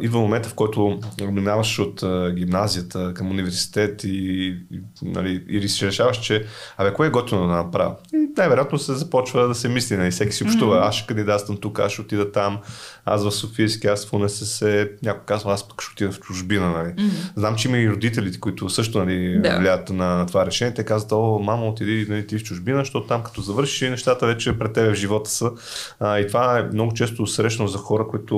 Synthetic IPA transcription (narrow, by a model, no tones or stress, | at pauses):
id̪vəmomɛnt̪əfkɔjt̪ʊminavəʃot̪ːɡʲimnazijət̪ʰəkɐmunivɛɾsi̥t̪ɛt̪i | nɐ̰liḭɾisʃɛɾɛʃavəʃt͡ʃɛɐbɛkɔɛɛɡɔt̪ivnd̪od̪ɐnɐpɾa̰vɐinajvɛɾjat̪nosɛzɐpɔt͡ʃvəd̪ɐsɛmislʲinɐlifsɛkʲi̥siʊpʃt̪uvəasʃɛ̥kɐnd̪id̪at̪st̪əmt̪uka̰sʃɛot̪id̪ət̪ama̰svɐfsofiskiasfonɛsɛsɛnʲakʊkazvəaspə̥kʃɛot̪id̪əft͡ʃʊʒbinənɐliznamt͡ʃɛiməiɾod̪it̪̬ɛlit̪ɛ̥kʊit̪ʊsɤʃ̬t̪ʊnɐlivlʲaət̪nɐt̪ovaɾɛʃɛniɛt̪ɛkazvət̪ɔmaməʊt̪id̪inɐlit̪ift͡ʃʊʒbinəʃt̪ɔt̪ʊ̥t̪amkɐ̥t̪ɔzɐvɤɾʃi̥ʃnɛʃt̪at̪əvɛt͡ʃɛpɾɛt̪ːɛbɛvʒivɔt̪ə̥sə | it̪ovaɛmnɔɡʊt͡ʃɛs̬t̪ʊsɾɛʃnozɐxɔɾəkoit̪ʊ